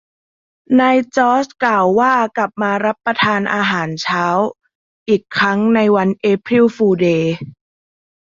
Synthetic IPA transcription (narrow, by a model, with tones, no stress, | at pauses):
naː˧jt͡ɕɔː˦˥sklaː˨˩wːaː˥˩kla˨˩p̚maː˧ɾa˦˥pːɾa˧t̪ʰaː˧nʔaː˧ɦaː˩˦nt͡ɕʰaː˦˥w | ʔiː˨˩kʰːɾa˦˥ŋna˧jwa˧nʔeː˦˥pʰɾi˥˩wfuː˧deː˧